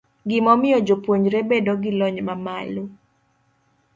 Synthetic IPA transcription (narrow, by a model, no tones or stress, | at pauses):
ɡɪmɔmɪjɔd͡ʒopwoɲɾebedoɡɪlɔɲmamalo